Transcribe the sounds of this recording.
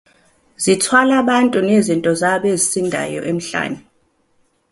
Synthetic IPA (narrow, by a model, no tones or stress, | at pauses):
zitʰwalaɓantʼunezintʼɔzaɓezisindʱa̰jɔ̰ʔem̩ɬa̰ːnɛ